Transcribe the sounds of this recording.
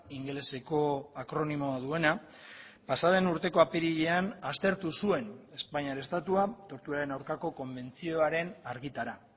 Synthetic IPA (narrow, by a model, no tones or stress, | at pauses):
iŋɡelese̞ko̞akɾo̞nimo̞að̞ue̞na | pasað̞e̞nuɾt̪e̞ko̞apeɾiʎe̞anast̪e̞ɾt̪usue̞ne̞spaɲaɾest̪at̪uat̪o̞ɾt̪uɾaɾe̞nawɾkako̞ko̞mbe̞nt͡sio̞aɾe̞naɾɣit̪aɾa